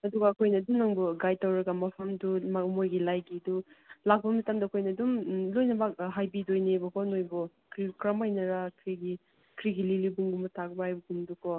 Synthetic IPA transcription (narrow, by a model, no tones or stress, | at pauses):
ɐduɡɐːkʰojnɐːdumnɐŋbuɡajtɐwɾɐɡɐmɐpʰɐmdummojɡilajɡidulak̚pbɐmɐtamdɐːkʰojnɐːdumlojnɐbɐɦajbidojnebɐkʰɔnojbɔ | kʰɾikɾɐmajnɐɾɐkʰɾiɡi | kʰɾiɡililibuŋɡumɐtʰak̚baajbɐɡundukʰɔ